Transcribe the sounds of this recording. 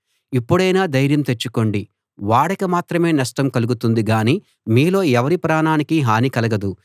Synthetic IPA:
ipːuɽɐjnaːd̪ɐjɾjɐmt̪e̞t͡ʃːuko̞ɳɖi | ʋaːɽɐkɐmaːt̪ɾɐme̞ːnɐʂʈɐmkɐluɡut̪und̪iɡaːniː | miːlo̞ːɛʋɐɾipɾaːnaːnikiɦaːnikɐlɐɡɐd̪u

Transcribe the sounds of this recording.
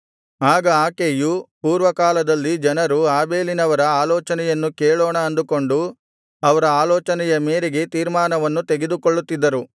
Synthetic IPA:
aːɡɐaːkeːjupuːɾʋɐkaːlɐd̪ɐlːid͡ʒɐnɐɾuaːbe̞ːlinɐʋɐɾɐaːlɔːt͡ʃɐnɛjɐnːukeːɭɔːɳɐːnd̪uko̞ɳɖu | ɐʋɐɾɐaːlɔːt͡ʃɐnɛjɐme̞ːɾeɡe̞t̪iːɾmaːnɐʋɐnːut̪e̞ɡed̪ukoɭːut̪ːid̪ːɐɾu

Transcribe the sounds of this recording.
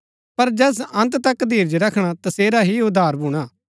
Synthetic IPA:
pɐɾd͡ʒɛːs̬ɐ̃nt̪t̪ɐkd̪ʱiːɾd͡ʒɾɐkʰɽ̃at̪ɐseːɾaɦiʊd̪aːɾbʱʊːɽ̃aː

